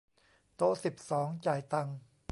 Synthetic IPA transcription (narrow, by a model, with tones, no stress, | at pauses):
t̪o˦˥ʔsi˨˩p̚sɔː˩˦ŋt͡ɕaː˨˩jt̪a˧ŋ